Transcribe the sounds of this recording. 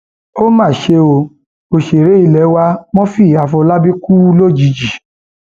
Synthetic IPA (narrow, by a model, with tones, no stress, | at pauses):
o˦mãː˦˨ʃe˧o˧ | o˨ʃe˨ɾe˨˦i˦˧˨lɛ˨˦wa˧˦mɔ̃˦fi˦˨a˧fɔ˧la˦bi˦ku˦lo˦˨d͡ʒi˨˧˦d͡ʒi˨